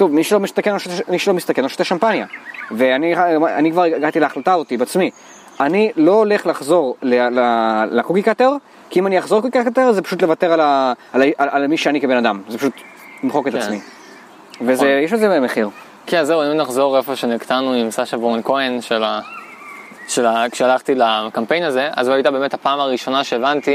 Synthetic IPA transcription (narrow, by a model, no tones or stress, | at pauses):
t̪ovmiʃelomist̪akenoʃotmiʃelomist̪akenloʃo̥t̪aʃampanjave̞aniaa̰nikvaʁeɡat̪ileaχlatazot̪ibeat͡smi | anilo̞ːle̞χlaχzo̞ʁlelalakukikateʁ | kiimanijaχzo̞kukikakat̪eʁzepaʃut̪le̞vateʁala | alaʔalalmiʃeanikebenadamzepaʃut̪ | mχo̞ketaat͡smi | vezejeʃbezemeχiʁ | keazːeuimnaχzo̞ʁefo̞ʃenikt̪anuimsaʃavoʁonkoenʃela | ʃelakʃealaχt̪ilakampe̞jnaze̞ʔa̰zuajt̪abeːmethapaːmaʁiʃo̞naʃeːvant̪i